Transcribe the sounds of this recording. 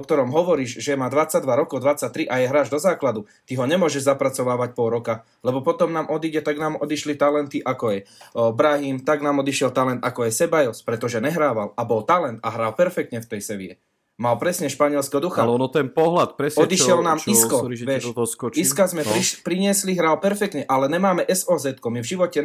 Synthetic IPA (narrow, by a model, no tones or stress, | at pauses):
ɔk̚t̪ɔɾɔmɦɔʋɔɾiːʒʒɛmaːd̪ʋat͡sːaɟd̪ʋaɾɔkɔʊd̪ʋat͡sac̚t̪ɾiʔajɛɦɾaːʒd̪ɔzaːklad̪u | t̪iɦɔɲɛmʊɔʒɛʒzapɾat͡sɔʋaːʋac̚pɔɾɔka | lɛbɔpɔt̪ɔmnaːmʔɔd̪iɟɛt̪aɡnaːmɔd̪iʃlit̪alɛnt̪iʔakɔɛjbɾaɦimt̪aɡnaːmɔd̪iʃɛlt̪alɛnt̪akɔajsɛbajɔspɾɛt̪ɔʒɛɲɛɦɾaːʋalabɔlt̪alɛnt̪aɦɾaːlpɛɾfɛkt̪ɲɛft̪ɛjsɛʋḭjɛ̰ | malpɾɛsɲɛʃpaɲɪɛlskɛɦɔd̪uxat̪ɛnpɔɦlat̪pɾɛsɔd̪iʃɪɛlnaːmiskɔʋjɛʃiskazmɛɾipɾiɲɪɛsliɦɾaːlpɛɾfɛk̚t̪ɲɛʔalɛɲɛmaːmɛʔɛsɔːzɛt̪kɔmivʒiʋɔcɛ